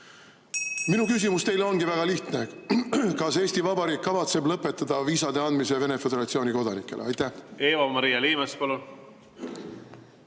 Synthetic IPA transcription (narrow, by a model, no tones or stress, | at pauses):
minukys̬imust̪e̞jleo̞nɡivæɡ̥ɑliht̪ne | kɑse̞ːst̪ivɑbɑɾiːkːɑvɑt̪se̞blɤpːˑe̞t̪ːˑɑd̪̥ɑviːsɑd̪̥e̞ɑnd̪mis̬e̞ve̞ne̞fe̞d̪̥eɾɑt̪sio̞ːniko̞d̪ɑnikːˑe̞lʔeɑjt̪ːˑæheːvɑmɑɾijɑliːmespɑlun